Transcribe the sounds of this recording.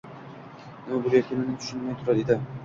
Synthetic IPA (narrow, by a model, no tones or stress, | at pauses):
nabʊɾjeɾkʲɪnɪnɪt̪ʰʊ̥ʃɪnmajt̪ʰʊɾad̪ed̪ɪ